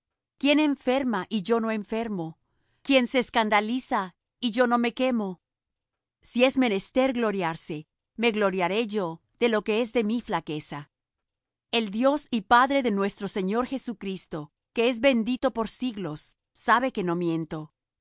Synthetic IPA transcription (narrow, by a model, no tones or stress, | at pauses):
kje̞ne̞ɱfe̞ɾmaʔiʝo̞no̞e̞ɱfe̞ɾmo̞ | kje̞nseːskand̪alisa | iʝo̞no̞me̞ke̞mo̞ | sie̞zme̞ne̞st̪e̞ɾɣlo̞ɾjaɾse̞ | me̞ɣlo̞ɾjaɾe̞ʝo̞ | ð̥e̞lo̞ke̞e̞zðe̞miflake̞sa | e̞ld̪jo̞sipaðɾe̞ðe̞nwe̞st̪ɾose̞ɲo̞ɾxe̞sukɾist̪o̞ | ke̞e̞zβe̞nd̪it̪o̞po̞ɾsiɣlo̞sː | aβe̞ke̞no̞mje̞nt̪o̞